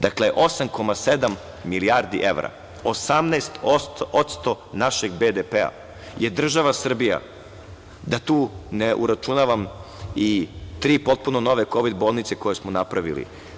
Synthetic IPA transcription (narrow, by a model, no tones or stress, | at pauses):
d̪̥akleʔo̞samko̞mased̪amː | iliaɾd̪ḭʔeʋɾa̰ | osamnast̪oot̪st̪o | naʃeɡbed̪epea̰ | jed̪r̩ʒaʋasr̩bija̰ | d̪at̪uːneʔṵɾat͡ʃunaʋamit̪ɾiːpo̞t̪̚punono̞ʋe̞ko̞ʋid̪bo̞ːlˠnit̪se̞ko̞jesmonapɾaʋḭlḭ